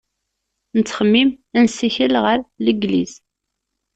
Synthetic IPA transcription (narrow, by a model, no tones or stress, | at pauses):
nət͡sːχəmːimænsiçəlʁəɾləɡlḭz̥